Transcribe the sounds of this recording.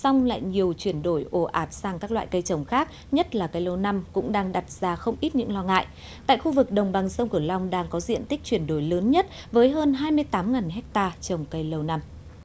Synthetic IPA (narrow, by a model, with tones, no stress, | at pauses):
sa˧wŋ͡mla̰ː˧˨jɲi˨˩əwt͡ɕwi˧˩ənɗo˧˩jʔo˧˩ʔaː˨˩t̚saː˧ŋkaː˦˥k̚la̰ː˧˨jkə˧jt͡ɕə˨˩wŋ͡mxaː˦˥k̚ | ɲə˦˥t̚laː˨˩kə˨˧jlə˧wna˧mkʊ̰˧˥ŋ͡mɗaː˧ŋɗa˨˩t̚z̥aː˧xə˧wŋ͡mʔi˦˥t̚ɲɨ̰˧˥ŋlɔ˧ŋa̰ː˧˨jʔ | t̪a̰ː˧˨jxu˧vɨ˨˩k̚ɗə˨˩wŋ͡mɓa˨˩ŋsə˧wŋ͡mkɨ˧˩əla˧wŋ͡mɗaː˧ŋkɔ˨˦zḭ˧˨ənt̪ï˦˥k̚t͡ɕwi˧˩ənɗo˧˩jləː˨˦nɲə˦˥t̚ | vəː˨˦jɦəː˧nɦaː˧jmɨ˧əjt̪aː˨˦mŋaː˨˩nɦɛ˦˥k̚t̪aː˧t͡ɕə˨˩wŋ͡mkə˧jlə˧wna˧m